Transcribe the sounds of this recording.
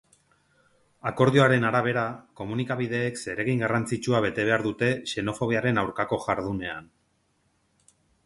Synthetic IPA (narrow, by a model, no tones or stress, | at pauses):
ako̞ɾðioaɾe̞naɾaβ̞e̞ɾako̞munikaβiðe̞ːkse̞ɾe̞ɣiŋɡarant͡sit͡ʃuaβe̞t̪e̞β̞e̞aɾðut̪e̞ʃe̞no̞fo̞β̞iaɾe̞nawɾkako̞ʝaɾð̞une̞an